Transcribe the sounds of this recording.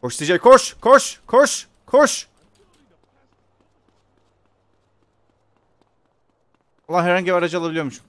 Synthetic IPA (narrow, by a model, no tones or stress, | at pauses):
koʃsid͡ʒekʰoʃkʰoʃkʰoʃ | kʰoʃ | lːˠaɦɛɾhaɲɟibiaɾad͡ʒɯalˠabilʲijoɾmuʃ